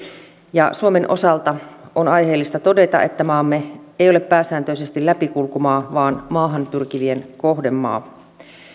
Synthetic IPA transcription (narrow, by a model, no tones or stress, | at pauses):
jɑ̰suomenʔo̞sɑlt̪ɑonɑjɦe̞ːlːist̪ɑt̪o̞de̞t̪ɑ̰ʔe̞̰t̪ːæmɑːmːeejolepːæːsæːnt̪øise̞st̪ilːæpikulkumɑːʋɑːnmɑːɦɑnt̪urkiʋie̞nko̞hde̞mːɑ̰ː